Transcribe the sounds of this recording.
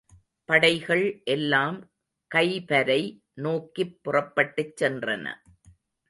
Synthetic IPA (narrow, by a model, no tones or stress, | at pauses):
pɐɽɐɪɣɐɭʔɛlːaːm | kɐɪpɐɾɐɪ | noːkːipːʊrɐpːɐʈːɯt͡ʃːɛndrɐ̰nɐ̰